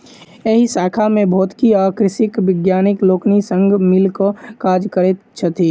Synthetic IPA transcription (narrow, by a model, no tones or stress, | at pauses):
eɦisaːkʰamẽbʱɔːt̪kiaːkɾɪsɪkʋɪɡjaːnɪkloːknisə̃ŋɡmɪlkokaːd͡ʒkəɾet̪t͡ʃʰət̪iː